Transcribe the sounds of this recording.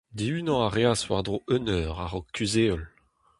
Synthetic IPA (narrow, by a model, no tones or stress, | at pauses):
d̪iyːnɑ̃aʁeaswa̰ʁd̪ʁoʔønœːʁaʁɔkːyzeɔl